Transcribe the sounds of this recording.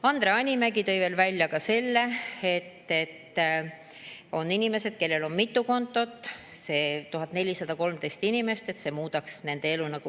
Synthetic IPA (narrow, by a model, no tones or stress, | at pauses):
ɑnd̪ɾe̞ɑnʲimæɡit̪ɤ̞jve̞ːlvælʲjɑkɑse̞lːe̞e̞t̪ːe̞t̪ː | o̞nːinime̞se̞d̪̥̚ke̞lːe̞lo̞nmit̪ːˑuko̞nt̪ːˑo̞t̪ːˑse̞ːt̪uɦɑt̪ːˑne̞lʲisɑd̪̥ɑko̞lmt̪e̞jst̪inʲime̞st̪e̞t̪se̞ːmuːd̪̥ɑksne̞nd̪̥e̞e̞lunɑku